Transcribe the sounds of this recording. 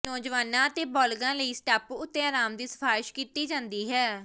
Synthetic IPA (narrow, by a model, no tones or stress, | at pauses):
nɔːd͡ʒʋaːnãːət̪eːbɔːlɡãːləiːsʈaːpʊt̪ːẽːaːɾaːmd̪iːsə̥pʰaːɪʃkiːt̪iːd͡ʒãːnd̪iːɦɛː